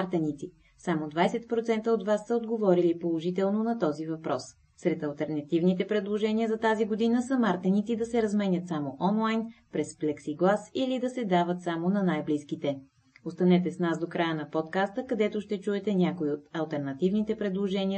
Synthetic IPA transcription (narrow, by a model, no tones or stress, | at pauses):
aɾt̪ɛnit̪si | samod̪vajsɛt̪̚pɾot̪sɛnt̪əot̪vasːəod̪ɡovɔɾilipolˠoʒit̪̬ɛlˠnonɐt̪ɔzivɐpɾɔs | sɾɛt̪ɐlˠt̪ɛɾnɐt̪ivnit̪ɛpɾɛd̪lˠoʒɛniəzɐt̪aziɡod̪inəsɐmaɾt̪ɛnit̪sid̪ɐsɛɾɐzmɛnʲət̪samoʔɔnlˠajnpɾɛsflɛksiɡlˠasilid̪ɐsɛd̪avət̪samonɐnajbliskit̪ɛ | ost̪ɐnɛt̪ɛsnasd̪okɾajənɐpɔt̪kast̪əkɐd̪ɛt̪oʃt̪ɛt͡ʃuɛt̪ɛnʲakoiot̪ɐlˠt̪ɛɾnɐt̪ivnit̪ɛpɾɛd̪lˠoʒɛniə